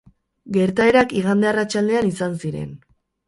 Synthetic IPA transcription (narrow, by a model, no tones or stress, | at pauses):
ɡe̞ɾt̪ae̞ɾakiɣ̞and̪earat͡ʃald̪e̞anisansiɾe̞̰n